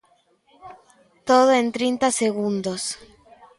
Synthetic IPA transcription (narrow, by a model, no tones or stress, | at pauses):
t̪oð̞oent̪ɾint̪aseɣund̪os